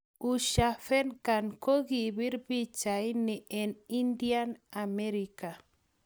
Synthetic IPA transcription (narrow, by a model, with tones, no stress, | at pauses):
u˨ʃa˨fɛ˦nka˨nko˦ɣi˨βi˦ɾbi˦t͡ʃa˨jnɛ˨ɛ˨ni˦ndia˦na˨mɛ˦ɾi˨ka˨